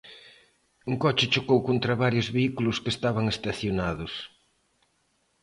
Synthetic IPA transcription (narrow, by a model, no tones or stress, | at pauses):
uŋkot͡ʃɪt͡ʃokowkont̪ɾɐβaɾjʊzβeikulʊskest̪aβɐŋest̪aθjonaðʊs